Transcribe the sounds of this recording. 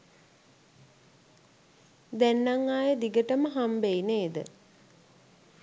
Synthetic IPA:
d̪ænːaŋːaːjəd̪iɡəʈəməɦambejneːd̪ə̰

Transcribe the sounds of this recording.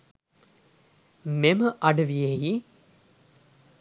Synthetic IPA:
meməʔɐɖəʋijeji

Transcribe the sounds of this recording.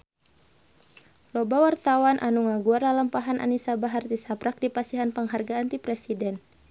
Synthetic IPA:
lɔbawart̪awanʔanuŋaɡuardalampaɦanʔa̰nisabaɦart̪isapɾak̚dipasiɦanpəŋɦarɡaːnt̪ipɾɛsidɛn

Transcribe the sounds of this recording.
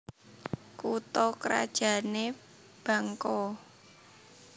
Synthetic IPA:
kut̪ɔkɾa̰d̥ʒ̥ä̤ne | b̥ä̤ŋkɔ

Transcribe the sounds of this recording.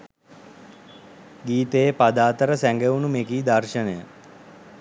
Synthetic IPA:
ɡiːt̪əjepad̪aːt̪əɾəsæŋɡeunumekiːd̪arʃənəjə

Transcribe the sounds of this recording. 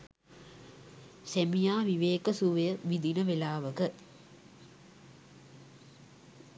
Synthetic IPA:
semijaːʋiʋeːkəsuʋejəʋid̪ʱinəʋelaːʋəkə

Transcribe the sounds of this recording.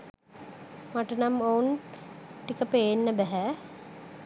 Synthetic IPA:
maʈənamowun | ʈikəpeːnːəbæɦɛ

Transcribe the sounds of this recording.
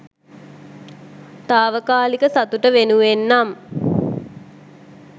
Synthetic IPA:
t̪aːʋəkaːlikəsat̪uʈəʋenuʋenːam

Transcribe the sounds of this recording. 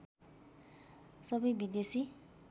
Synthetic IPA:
sʌbʌjbid̪esi

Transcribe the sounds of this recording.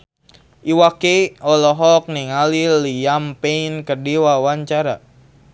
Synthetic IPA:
ʔiwakeɔlɔɦɔk̚niŋalilijampeinkədiwawaɲt͡ʃaɾa

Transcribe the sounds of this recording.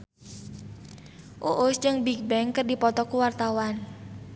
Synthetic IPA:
ʔuʔʊsd͡ʒəŋbik̚bɛŋkərdipɔt̪ɔkuwart̪awan

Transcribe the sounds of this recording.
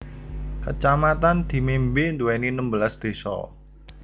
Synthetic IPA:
kət͡ʃamat̪and̪̥i̤membɪnd̪uwɛninəmbəlasd̪̥e̤sɔ̰

